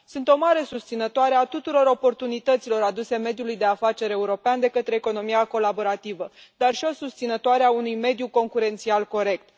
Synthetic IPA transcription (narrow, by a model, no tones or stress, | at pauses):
sunt̪o̞maɾe̞sust̪sinət̪oaɾe̞at̪ut̪uɾo̞ɾo̞po̞rt̪unit̪ət̪silo̞ɾad̪use̞me̞d̪julujd̪e̞afat͡ʃe̞ɾe̞uɾo̞peand̪e̞kət̪ɾe̞ːko̞no̞miako̞labo̞ɾat̪ivəd̪arʃio̞sust̪sinət̪oaɾeaunujme̞d̪juko̞ŋkuɾe̞nt̪sialko̞ɾe̞k̚t̪